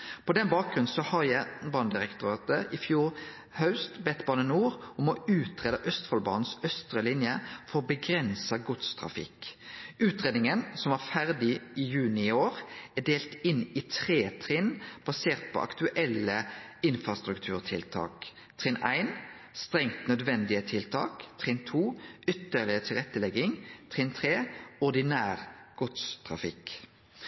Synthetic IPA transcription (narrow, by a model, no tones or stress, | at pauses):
pʰɔd̪ɛnbɑːk̚ɡʁʉn̩sɔhɑʁjæɪbɑːnd̪ɪʁɛkt̪ʊɑːt̪əʔɪfjuːʁ | hɑʉst̪bɛt̪bɑːnənuːʁɔmɔʉːt̪ʁeːd̪əʔœst̪fɔlbɑːnn̩sœst̪ʁəlɪnjəfɔʁɔbəɡɾɛnsɑɡʊt̪st̪ʰʁɑ̰fɪ̰kʉːt̪ʁeːd̪nɪŋənsɔmæʁfæʁd̪ɪɪjʉːnɪɪoːʁæɖ̪eːlt̪ɪnɪt̪ʰʁeːt̪ʰʁɪnb̥ɑseːʁt̪̚pʰɔ̰ʔɑ̰kt̪ʉʔɛləɪnfɾɑst̪ʁʉkt̪ʰʉːʁt̪ʰɪlt̪ʰɑ̰ːk | t̪ʰʁɪnʔæɪn | st̪ʁɛŋt̪nœd̪ʋɛnd̪ɪət̪ʰɪlt̪ʰɑ̰ːkt̪ʰʁɪnt̪ʰuːʏt̪ːəlɪət̪ʰɪlʁɛt̪ːəlɛɡɪŋt̪ʰʁɪnt̪ʰʁeːʊʁd̪ɪnæːʁɡ̥ʊt̪st̪ʰʁɑ̰fɪ̰k